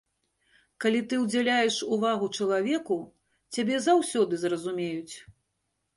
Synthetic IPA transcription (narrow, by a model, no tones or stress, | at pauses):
kalʲit̪ɨwd͡zʲalʲajɛʂuvaɣut͡ʂɐlˠavʲɛku | t͡sʲabʲɛzawsʲɔd̪ɨzrɐzumʲejut͡sʲ